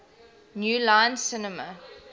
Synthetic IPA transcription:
njuːlãɪ̃nsɪnəmə

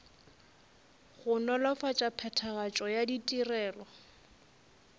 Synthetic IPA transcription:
ɣʊnɔlɔfat͡ʃʼapʰɛtʰaɣat͡ʃʼɔjaditʼirɛːlɔ

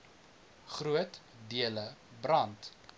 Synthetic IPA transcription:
χruət | diələbrɐnt

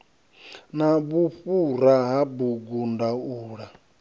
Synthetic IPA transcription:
naβuɸuɾaɦabuɡundauːɺa

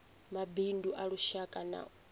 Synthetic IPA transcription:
mabinduʔaɺuʃakʼana̰

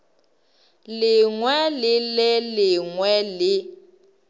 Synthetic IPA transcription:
lɪŋwɛlɪlɛlɪŋwɛlɪ

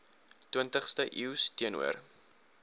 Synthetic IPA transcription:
twiəntəχstəʔiwstiənṵər

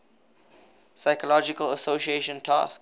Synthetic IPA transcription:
saɪkəlɔd͡ʒɪkələsoʃieʃə̃ntʰa̰sk

